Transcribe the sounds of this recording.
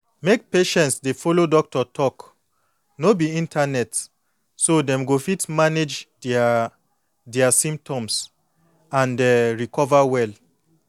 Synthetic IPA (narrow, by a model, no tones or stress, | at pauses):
mek̚peʃɛ̃ntsdefolodɔk̚tɔtʰɔk | nobiĩntʰanɛt | sodɛ̃mɡofitmaned͡ʒ | dɛasĩmp̚tʰɔ̃ms | ãndɛɹikʰɔvawɛl